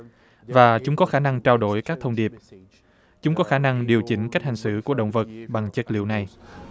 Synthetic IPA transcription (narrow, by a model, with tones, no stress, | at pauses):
vaː˨˩t͡ɕʊ˨˦ŋ͡mkɔ˨˦xaː˧˩na˧ŋt͡ɕaː˧wɗo˧˩jkaː˦˥k̚t̪ʰə˧ŋ͡mɗi˨˩əp̚ | t͡ɕʊ˨˦ŋ͡mkɔ˨˦xaː˧˩na˧ŋɗi˨˩əwt͡ɕï˧˨˦ŋ̟ka˦˥k̚ha˨˩ŋ̟sɨ̰˧˥ku˧˩əɗə̰˧˨wŋ͡mvə˨˩t̚ɓa˨˩ŋt͡ɕə˦˥t̚lḭ˧˨əwna˨˩j